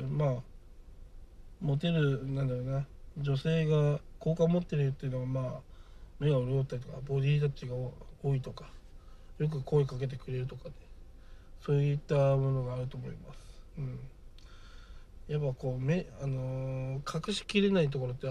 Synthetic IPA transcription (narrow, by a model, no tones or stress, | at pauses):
maː | mo̞t̪e̞ɾɯ̟nãnd̪aɾo̞ːnad͡ʑo̞se̞ːɡako̞ːkamo̞t̪ːe̞ɾɯt̪ːeiɯ̟noɡamaːme̞ɡaoɾɯjot̪ːaɾʲit̪o̞kabo̞d̪ʲiːt̪at͡ɕiɡaooːit̪o̞kḁjo̞k̬ɯ̟ko̞e̞kake̞t̪̬e̞kɯ̟ɾe̞ɾɯ̟t̪o̞kane | so̞ːjɯt̪ːamo̞no̞ɡaːɾɯ̟t̪o̞ːmo̰ḭmasɨ̥ɯ̟̃ɴ | japːako̞ːme̞ano̞kʰakɯ̟ɕi̥kʲiɾe̞nait̪̬o̞ko̞ɾot̪ːe